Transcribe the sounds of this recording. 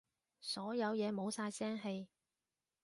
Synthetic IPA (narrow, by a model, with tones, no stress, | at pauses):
sɔː˨˥jɐ˨˧wjɛː˨˧mo˨˧wsaː˧jsɛː˥ŋɦe˧j